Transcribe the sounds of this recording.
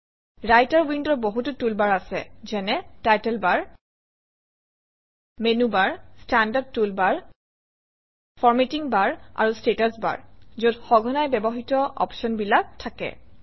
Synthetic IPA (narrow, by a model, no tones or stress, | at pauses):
ɹajtaɹwindɔboɦututulbaɹasɛ̰zɛnɛtajtɛlbaɹ | menubaɹstandad̚tulbaɹ | fʰɔɹmetiŋbaɹa̰ɹustetasba̰ɹzodxɔɡʱɔnajbɛbɔxitɔʔɔ̰pʃɔnbilak̚tʰːakɛ̰